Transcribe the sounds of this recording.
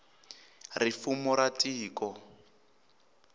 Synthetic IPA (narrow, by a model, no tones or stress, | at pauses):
rifumɔɾatʼiːkɔ